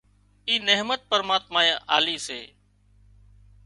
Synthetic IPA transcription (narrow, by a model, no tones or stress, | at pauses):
iːneɦmət̪̚pəɾmaːt̪maːjaʔa̰ːliːsḛː